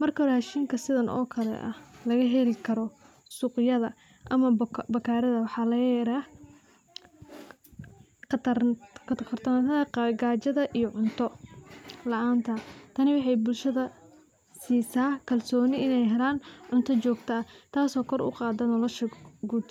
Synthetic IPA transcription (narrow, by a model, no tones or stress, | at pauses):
mɐrkʰɐraːʃiːŋkʰɐsɪðɐnʔɔ̰ːkʰɐlɛ̰ʔɐ̰lɐɣɐɦɛlɪkʰɐɾɔ | sʊqɪjɐðɐ | ʔɐmɐbɐkʰaːɾɐðɐwɑħɑːlɐjɛɾa | t̪ɐkʰt̪kʰɐrt̪ʰɐnat̪ɐðɐqɡaːt͡ʃɐðɐʔijɔʕʊnt̪ʰɔ | lɐʔaːnt̪ʰɐt̪ʰɐnɪwɑħɑjbʊlʃɐðɐ | siːsaːkʰɐlsɔːnɪɪnɛjɦɛlaːnʕʊnt̪ʰɔt͡ʃɔːɡt̪ʰɐɐt̪ʰaːsɔːkʰɔrʔʊ̰qɑːd̪ɐnɔlɔʃɐɡuːd̪